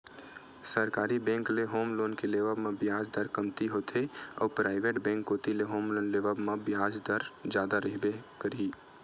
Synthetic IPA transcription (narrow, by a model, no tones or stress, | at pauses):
səɾkaːɾibɛ̃ːŋkleɦoːmloːnkeleːʋəbmãbjaːd͡ʒd̪əɾkɐmt̪iɦoːt̪ʰeɔ̰ːpɾaːɪʋeːʈbɛ̃ːŋkːoːt̪ileɦoːmloːnleːʋəbmãbjaːd͡ʒd̪əɾd͡ʒjaːd̪aɾɪɦbekəɾi